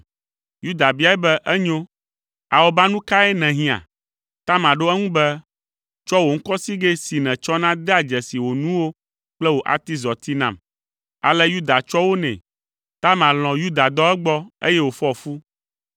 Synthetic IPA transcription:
ju˦d̪a˨bi˦a˨ɛ˦bɛ˦ʔɛ˦ɲo˦ | a˨wo˦ba˦nũ˦ka˦ɛ˦nɛ̃˨ɦĩ˦ã̰˨ | t̪a˦mã˨ɖo˦ɛ˦ŋũ˦bɛ˦ | t͡ʃɔ˦wo˨ŋ̩˦kɔ˦si˦ɡe˦si˨nɛ̃˨t͡ʃɔ˦nã˦d̪ɛ˦a˨d͡ʒɛ˨si˨wo˨nũ˦wo˦ | k͡plɛ˦wo˨ʔa̰˨t̪i˦zɔ˨t̪i˦nã̰˨m | a̰˨lɛ˦ju˦d̪a˨t͡ʃɔ˦wo˦nɛ̰̃˨ | t̪a˦mã˨l̃ɔ̃˨ju˦d̪a˨d̪ɔ˦ɛ˦ɡ͡bɔ˦ḛ˦jɛ˦wo˨fɔ˦˨fu˦

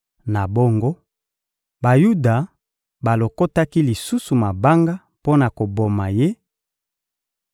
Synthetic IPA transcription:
na˨bo˦ŋɡo˦ | ba˨ju˦da˨ | ba˨lo˨ko˦ta˦ki˦li˨su˦su˨ma˨ba˦ŋɡa˦ | po˦na˨ko˨bo˨ma˨je˦

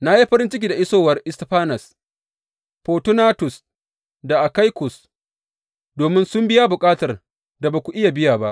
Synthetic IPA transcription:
na˦ji˦ɸɐ˦ɾɪ˦nt͡ʃɪ˦k̬ʲiː˨da˨ʔɪ˦soː˦wɐ˨rʔɪ˦stɸaː˦nɐ˨s | poː˨tʊ˦naː˦tʊ˨s | da˨ʔa˨ka˦jkʊ˨s | doː˨mɪ˦nsʊ˦mbɪ˦ja˦bʊ˨kʼaː˦tɐ˨r | da˨baː˨kʷu˨ʔɪ˦ja˨bɪ˦jaː˨ba˦ʔ

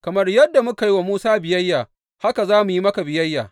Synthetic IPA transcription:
kɐ˨mɐ˦rjɐ˦dːa˨mʊ˦ka˨ji˦wa˨muː˦saː˦bɪ˨jɐ˦jːaː˨ | ha˦ka˨zaː˦mu˨ji˦mɐ˦ka˨bɪ˨jɐ˦jːa̰ː˨

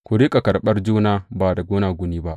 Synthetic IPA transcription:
kʷʊ˨ɽiː˦kʼa˨kɐ˨rɓɐ˦rd͡ʒuː˦naː˦baː˨da˨ɡʷoː˦naː˨ɡʷʊ˦niː˦ba˦ʔ

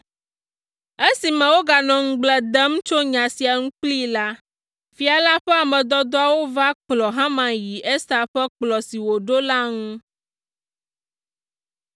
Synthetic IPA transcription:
e˦si˨mɛ̃˨wo˦ɡa˨nɔ̃˨ŋ̩̃˦ɡ͡blɛ˨d̪ɛ˦m˦t͡ʃo˦ɲã˨si˨a˨ŋũ˦k͡pli˦la˦ | fi˦a˨la˦ɸɛ˦a˨mɛ̃˨d̪ɔ˦d̪ɔ˦a˨wo˦va˦k͡plɔ˨ɦã˦mã˨ji˨ʔɛ˦st̪a˨ɸɛ˦k͡plɔ˨si˨wo˨ɖo˦la˦ŋũ˦

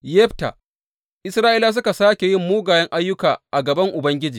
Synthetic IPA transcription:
jɛ˦ɸta̰˨ | ʔɪ˦sɾaː˦ʔɪ˦laː˦s̬ʊ˦ka˨saː˦kʲe˨jɪ˦mːuː˦ɡaː˨jɛ˦ŋʔa˦jːʊ˦kaː˨ʔa˨ɡɐ˨bɐ˦ŋʔʊ˨bɐ˦ŋɡʲɪ˦d͡ʒiː˨

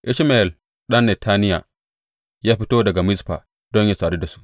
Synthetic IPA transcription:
ʔɪ˦ʃma˨ɛ˨l | ɗɐ˦nːe˨tʰa˦nɪ˦ja̰˨ | jaː˦ɸi˦toː˦dɐ˨ɡa˨mɪ˦spa̰˨ | d̥ɔ˦ɲja˦saː˨de˦da˨su̥˦ʔ

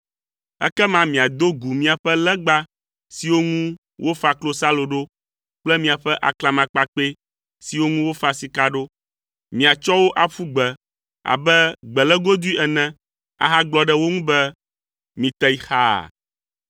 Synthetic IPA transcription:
ɛ̰˦kɛ˦mã˦mĩ˨a˨d̪o˦ɡu˨mĩ˦a˨ɸɛ˦lɛ˦ɡ͡ba˦ | si˨wo˦ŋũ˦ | wo˦fa˨klo˦sa˦lo˨ɖo˦ | k͡plɛ˦mĩ˨a˨ɸɛ˦ʔa̰˨kla˨mã˨k͡pa˨k͡pe˦ | si˨wo˦ŋũ˦wo˦fa˨si˨ka˦ɖo˦ | mĩ˨a˨t͡ʃɔ˦wo˦ʔa˨fu˦ɡ͡bɛ˨ | a̰˨bɛ˦ɡ͡bɛ˨lɛ˦ɡo˦d̪u˦i˦ʔɛ˨nɛ̃˦ | a̰˨ɦa˦ɡ͡blɔ˦ɖɛ˦wo˦ŋũ˦bɛ˦ | mĩ˨t̪ɛ˦i˦xa̰˦˨

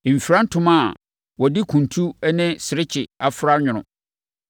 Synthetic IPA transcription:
m̩˨fi˨ɾã˦n̩˦tʰʊ̃˦mã˦˨ | wɔ˨dɪ˦kʰũ˨ntʰu˦nɪ̃˦sɪ˨ɾɪ˦t͡ɕʰɪ˨a˨fɾa˦ɲᶣʊ̃˨ʊ̰̃˨

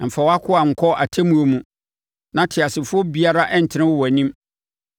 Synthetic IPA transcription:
m̩˨fa˨wɔ˦a˦kʰʊ˦a˨ŋ̩˨kʰɔ˦ʔa˨tʰæ˦mũ˦o˦mũ˨ | nã˦tʰɪ˨a˨sɪ˨fʊ˦ɔ˦bi˦a˦ɾa˦ʔɛ˦n̩˨tʰɪ˨nɪ̃˦wʊ˦wɔ˨æ˨nĩ˦m

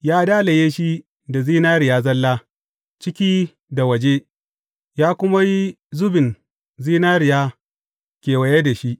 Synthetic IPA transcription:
jaː˦daː˦lɐ˨jeː˦ʃi˦ | da˨ziː˦naː˦ɾɪ˨jaː˦zɐ˦lːaː˦ | t͡ʃɪ˦kʲiː˦ | da˨wɐ˨d͡ʒe˦ | jaː˦kʷʊ˦ma˦ji˦ | zʊ˦bɪ˨n | ziː˦naː˦ɾɪ˨jaː˦ | kʲeː˨wɐ˨je˦da˨ʃi˦ʔ

